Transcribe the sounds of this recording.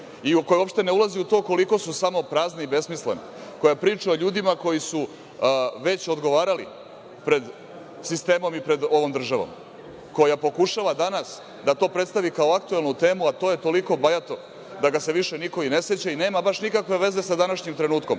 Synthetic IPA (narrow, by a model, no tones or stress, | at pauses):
iko̞jeopʃt̪e̞neulˠaziut̪o̞ːko̞liko̞susamo̞pɾaːzneiibe̞smislene | ko̞japɾiːt͡ʂuoʎuːd̪imako̞jisu | ʋe̞t͡ɕo̞d̪ɡo̞ʋaːɾalḭ | pɾe̞d̪ | sist̪e̞ːmo̞mipɾe̞d̪o̞ʋomd̪r̩ʒaʋo̰m | ko̞japo̞kuʃaʋad̪anas | d̪at̪o̞ːpɾet̪st̪aʋikaoak̚t̪ue̞lˠnut̪e̞ːmuat̪o̞ːjet̪o̞liko̞bajat̪o̞ | d̪aɡase̞ʋiʃe̞niko̞ine̞set͡ɕaineːmabaʃnikakʋe̞ʋe̞ze̞sad̪anaʃɲimt̪ɾe̞nuːt̪ko̞̰m